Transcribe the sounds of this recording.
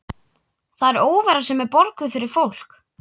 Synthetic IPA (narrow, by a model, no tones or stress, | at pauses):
θaðɛɾoːwvɛɾasɛmɛpɔɾkʏfɪɾɪɾ̥fowl̥k